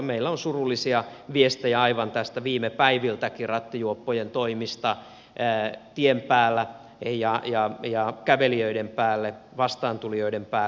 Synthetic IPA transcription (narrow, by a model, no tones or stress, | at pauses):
meilːæonsurulːisiɑʋiest̪ejæɑiʋɑnt̪æst̪æʋiːmepæiʋilt̪ækirɑt̪ːijuopːojent̪oimist̪ɑ | t̪iempæːlːæ | jɑjɑjɑkæʋeliøidempæːlːeʋɑst̪ɑːnt̪ulioidempæː